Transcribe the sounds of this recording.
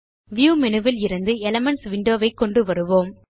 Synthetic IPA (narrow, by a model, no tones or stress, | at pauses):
ʋjuːmɛnɯʋɪlɪɾɯnd̪ɯɛlɐmɛɳʈsʋɪɳɖoːʋɐɪkːɔɳɖɯʋɐɾɯʋoːm